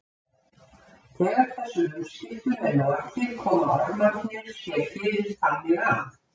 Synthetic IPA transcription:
θʰɛːɣaɾ̥θɛsːʏhusɪhk̪ʏɾɛnaðaft̪ɪɾ̥kʰɔːmaɔɾmafjɛɾ̥sjɛɾ̥fɪːɾɪɾ̥θamːɪɣan

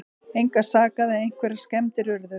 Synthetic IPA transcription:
ejŋkasaːkaðɪejŋ̥kʰvɛɾḁskɛmt̪ɪɾʏɾðʏ

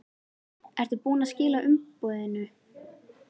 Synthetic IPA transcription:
ɛɾ̥t̪ʏpuːnascɪːlaʔʏmpɔːðɪnʏ

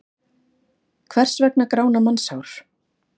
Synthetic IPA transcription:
kʰvɛr̥svɛknakɾaːwnamansawɾ̥

